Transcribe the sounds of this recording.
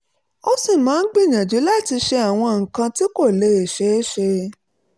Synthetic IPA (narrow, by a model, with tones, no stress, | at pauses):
ɔ˧sĩ˦˨mãː˨˦ɡ͡bi˦˨ɲã˨d͡ʒo˨˦la˦˨ti˧ʃe˧a˨w̃ɔ̃˧ŋ̩˨kã˧ti˦ko˦˨le˨˦e˨ʃe˦ʃe˧